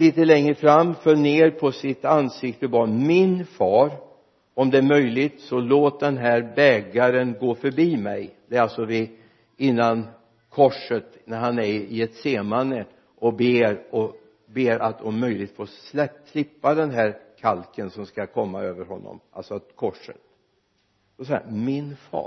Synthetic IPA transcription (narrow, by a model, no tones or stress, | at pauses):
liːt̪əlɛŋɾəfɾamːfœːneːɾpʰɔsɪt̪ansɪkt̪əbɑːmɪnfɑːɾ | ɔmd̪ɛæɾmœjlɪt̪sɔloːt̪̚d̪ɛnɦæɾbɛːɡaɾənɡoːfœɾbiːmɛjd̪̥ɛːɾalsɔvɪ | ɪnːan | kʰɔʂət̪næɾhanæɾɪɛt̪seːmanə | ʔɔbeːɾɔ | beːɾʔat̪ʰɔmːœjlɪɡ̚t̪foːslɛpt̪ʰlɪpːad̪ɛnɦæːɾkʰalkənsɔmskakʰɔmːaøːvəɾɦɔnːɔ̰mʔa̰lsɔat̪kʰɔʂə̰t̪ | d̪ɔsahæ̰mɪnfɑ̰ːɾ